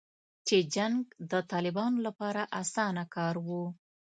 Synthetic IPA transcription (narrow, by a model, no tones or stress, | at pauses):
t͡ʃed͡ʒaŋɡd̪ət̪ɑlɪbɑnolapɑɾaʔasɑnakɑɾwu